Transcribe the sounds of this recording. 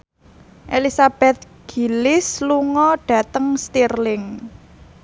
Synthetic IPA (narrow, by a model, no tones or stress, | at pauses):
ʔelisab̥ɛt̪̚ | ɡ̥i̤lɪsluŋɔɖ̥ä̤t̪əŋst̪irlɪŋ